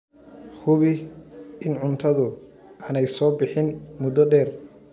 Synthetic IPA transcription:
hʊβɪɪnʕʊnt̪ʰɐðʊ | ʔaːnɛjsɔːbɪħɪnmʊd̪ɔɖɛːr

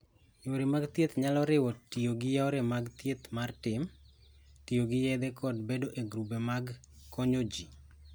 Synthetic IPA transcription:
ɲoɾemaɡt̪jet̪ɲalɔɾɪwɔtioɡɪjaɔɾɛmaɡt̪jet̪martɪm | tioɡɪjɛd̪ɛkʰɔdbedoʔeɡɾubemaɡ | kɔɲod͡ʒi

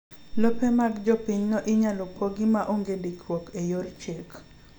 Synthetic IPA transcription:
lɔpemaɡd͡ʒɔpiɲnɔʔɪɲalɔpɔɡɪmaʔoŋɡendikwɔkejort͡ʃek

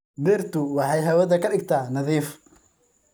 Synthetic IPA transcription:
birt̪ʰʊwɑħɑjɦɐwɐðɐkʰɐɖɪɡt̪ʰaːnɐðiːf

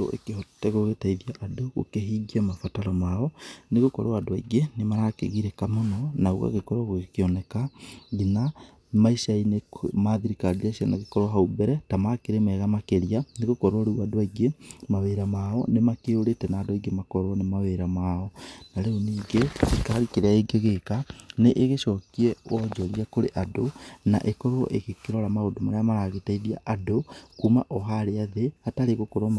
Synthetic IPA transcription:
o̰ḛkehɔtɛɣoɣetaiðiaʔadoɣo̰keɦiːɡiamafataɾɔmaːɔneɣokɔ̰ɾoadoaiɡenemaɾakḛɣiɾekamonɔnauɣa̰ɣekɔɾwaɣoɣekeɔnɛkaɣina | maisainemaðiɾikaɾiasianaɣekɔɾwaɦaubɛɾɛtamakeɾemɛɣamakeɾianeɣokɔɾaɾeuadoaiɡemaβeɾamaɔ̰nemakeoɾetɛnaːdoaiɡemakɔɾɔnemaβeɾamaːɔnaɾeoniːɡeekaaɾikeɾeaiɡeɣekaneʔeɣeʃɔkiɛwɔd͡ʒɔɾiakoɾeʔadona̰ʔekɔɾɔʔeɣekeɾɔɾamaodomaɾeamaɾaɣetaiɾiaʔadokumaʔɔɦaɾeaðehataɾeɣokoɾom

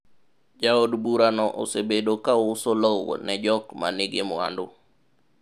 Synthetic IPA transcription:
d͡ʒaodbuɾanɔʔo̰sebedokaʊsolow̰nɛd͡ʒɔkma̰nɪɡɪmwa̰ndʊ

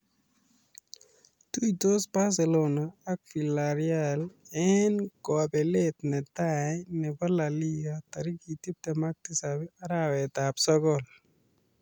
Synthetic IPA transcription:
t̪ujt̪osbas̬elonaːk̚filaɾialɛnkɔapɛlet̪nɛtajnɛpɔlalijat̪aɾikit̪ip̚t̪ɛmak̚t̪isabɛaɾawɛt̪apsɔkɔl

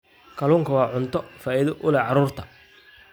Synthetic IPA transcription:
kʰɐluːŋkʰɐwɑːʕʊnt̪ʰɔfaːɪðɔʔʊlɛʕɑɾuːrt̪ʰɐ

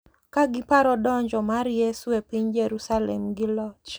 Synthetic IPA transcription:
kaɡɪpaɾɔdɔɲd͡ʒɔmaɾjeswepiɲd͡ʒeɾusalḛmɡɪlɔt͡ʃ

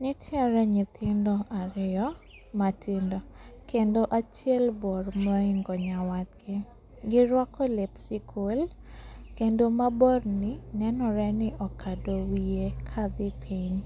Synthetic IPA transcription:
ɲɪt͡ʃɔɾɛɲɪt̪ʰɪndɔaɾɪɔ | matʰindɔkendoʔat͡ʃɛlbɔrmɔiŋɡɔɲawat̪̚ɡɪ | ɡɪɾwakɔlɪpsɪkʰol | kendomabɔrnɪnɛnɔɾɛnɪʔɔkʰadowiekʰad̪ɪpʰiɲ

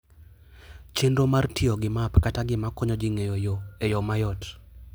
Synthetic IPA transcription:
t͡ʃendomartɪoɡɪmapkataɡɪmakɔɲɔd͡ʒɪŋejojoejɔmajɔt

